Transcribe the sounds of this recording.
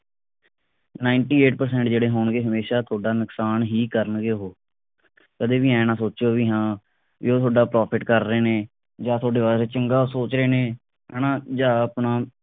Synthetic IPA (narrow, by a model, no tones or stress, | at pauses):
naːɪɳʈiːeːʈpəɾs̬ɛ̃ːɳʈ̚d͡ʒeːɽeːɦoːɳɡeːɦəmeːʃaːt̪ʰoːɖaːnʊksaːnɦiːkəɾənɡeːɦoː | kəd̪eːʋiːɛ̃ːnãːsoːt͡ʃoːʋiːɦãː | ʋḭːoːt̪ʰoːɖaːpɾɔːpʰɪʈkəɾːeːneː | d͡ʒãːt̪ʰoːɖeːʋaːɾeːt͡ʃəŋɡaːsoːt͡ʃɾeːneː | ɛːnãːd͡ʒaːəpnaː